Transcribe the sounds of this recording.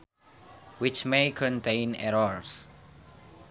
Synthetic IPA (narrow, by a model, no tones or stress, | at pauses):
wit͡ʃmekʰɔ̃ntʰẽɪnɛ̰ɹɔɹs